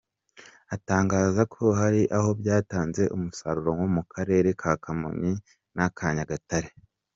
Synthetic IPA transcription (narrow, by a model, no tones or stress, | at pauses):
ataːŋɡaːzakʰo̞haɾiʔaho̞bjaːtaːnze̞ʔumusaɾuɾoŋwomukʰaɾe̞ːɾe̞kʰakʰamo̰mi | nakʰaɲaɡataɾe